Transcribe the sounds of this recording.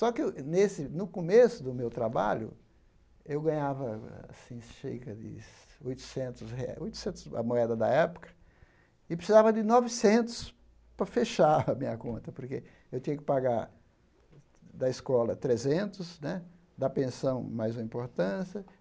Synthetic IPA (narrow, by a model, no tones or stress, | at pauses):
sɔkɪnesɪnʊkomesʊd̪ʊmewt̪ɾaba̰ʎʊ̰ | ewɡɐ̃ɲavɐaa̰sĩʃḛjkɐd̪ɪ̰ | ojt̪ʊ̥sẽnt̪ʊshḛa̰ojt̪ʊ̥sẽnt̪ʊ̥sɐ̰moɛd̪ɐd̪ɐ̰ɛpʊ̥kɐ̥ | ɪpɾɪsizavɐd̪ɪnɔvɪsẽnt̪ʊ̥s | pɾɐfeʃaɐmĩɲɐ̰kõnt̪ɐpoɾke | ewt̪ĩɲɐkɪ̥paɡaɾ | d̪ɐɪskɔlɐt̪ɾezẽnt̪ʊsnɛ | d̪ɐpẽsɐ̃w̃majzũmɐ̃ĩpoɾt̪ɐ̃sjɐ